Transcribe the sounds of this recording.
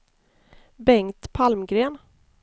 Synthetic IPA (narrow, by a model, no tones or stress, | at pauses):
bɛŋt̪pʰalmɡɾeːn